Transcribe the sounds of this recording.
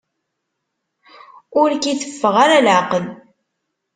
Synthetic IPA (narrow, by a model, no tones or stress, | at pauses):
ʊɾkiθəfːəʁaɾalʕaqəl